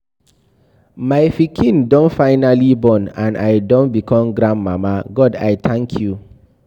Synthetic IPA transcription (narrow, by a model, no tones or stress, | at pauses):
majfikʰĩndɔ̃nfaɪnalibɔ̃nãnʔa̰jdɔ̃nbikʰɔ̃mɡɾãndmamaɡɔdajt̪ʰãŋkʰju